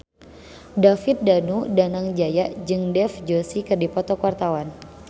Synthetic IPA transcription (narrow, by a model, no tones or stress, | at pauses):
dafit̪̚danudanaŋd͡ʒajaʔd͡ʒɨŋdɛfd͡ʒosikɨrdipɔt̪ɔkuwart̪awan